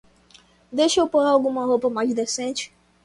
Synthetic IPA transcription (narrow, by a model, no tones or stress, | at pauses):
d̪ejʃewpoɾaawɡũmɐɦopɐmajzd̪esẽt͡ʃɪ̥